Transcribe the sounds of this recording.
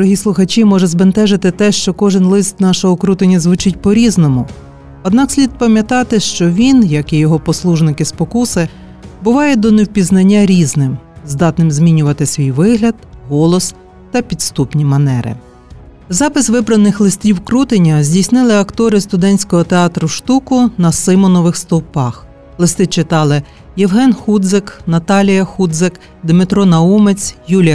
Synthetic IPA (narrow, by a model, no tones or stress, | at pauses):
d̪ɾɔɦʲislˠʊxɐt͡ʃʲimɔʒɛzbent̪ɛʒɪt̪ɪt̪ɛʃt͡ʃɔkɔʒɪnlˠɪst̪nɑʃɔɦɔkɾut̪enʲːɐzʋʊt͡ʃɪt̚ʲpɔɾʲiznɔmʊ | ɔd̪nɑksʲlʲid̪̚pɐmʲjɐt̪ɑt̪ɪʃt͡ʃɔʋʲinjɐkijɔɦɔpɔslˠuʒnɪkɪspɔkusɪ | bʊʋɑjɛd̪ɔnewpʲiznɐnʲːaɾʲiznɪmzd̪ɑt̪nɪmzʲmʲinʲʊʋɐt̪ɪsʲʋʲijʋɪɦlʲɐd̪ɦɔlˠɔs | t̪ɐpʲid̪st̪upnʲimɐnɛɾɪ̰ | zɑpɪsʋɪbɾɐnɪxlˠɪst̪ʲiwkɾut̪enʲɐzʲdʲijsnɪlˠɪɐkt̪ɔɾɪst̪ʊd̪ɛnʲsʲkɔɦɔt̪eɑt̪ɾʊʃt̪ukʊnɐsɪmɔnɔʋɪxst̪ɔwpɑx | lˠɪst̪ɪt͡ʃɪt̪ɑlˠɪ | jɛwɦɛnxud̪zɪknɐt̪ɑlʲijɐxud̪zɪk | d̪mɪt̪ɾɔnɐumet͡sʲjulʲjɐ